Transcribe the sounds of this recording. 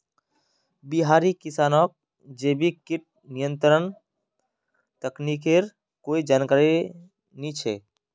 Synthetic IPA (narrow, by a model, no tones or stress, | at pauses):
biɦaːɾikɪsaːnɔːk̚ | d͡ʒeːbikiʈ̚ | nijə̃nt̪ɾən | t̪əknikeɾ | koːid͡ʒaːnkaːɾi | nĩt͡ʃʰɛ̰